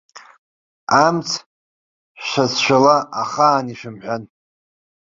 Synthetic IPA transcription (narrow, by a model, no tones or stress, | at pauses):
amt͡sʰ | ʃazʃʷᶣalaaχaːniʃɪmħʷᶣan